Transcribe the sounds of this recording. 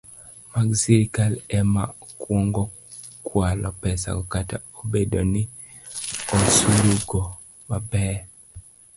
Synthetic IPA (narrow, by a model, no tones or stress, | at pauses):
maɡsiɾikalɛma̰kwɔŋɡɔ | kʰwalɔpɛsa̰kɔkataobedoni | osuɾuɡɔ | mabɛː